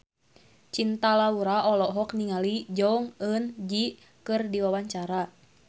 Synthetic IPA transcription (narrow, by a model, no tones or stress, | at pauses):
t͡ʃint̪alauɾaʔɔlɔɦɔkniŋalid͡ʒɔŋənd͡ʒi | kɨrdiwawaɲt͡ʃaɾa